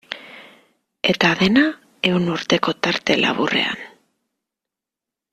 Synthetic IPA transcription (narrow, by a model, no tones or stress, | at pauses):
e̞t̪aðe̞na | e̞uwnuɾt̪e̞ko̞t̪aɾt̪e̞lʔa̰βure̞̰a̰n